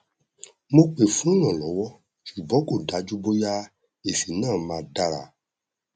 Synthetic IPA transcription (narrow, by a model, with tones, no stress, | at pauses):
mo˧k͡pe˨fũ˨˦˨j̃ɔ̃˨lɔ˨˦wɔ˦ | ʃu˨bɔ̃˨˦ko˦˨da˨˦d͡ʒu˦bo˦ja˦ | e˨si˨nãː˦˨˦mãː˨˧da˦ɾa̰˨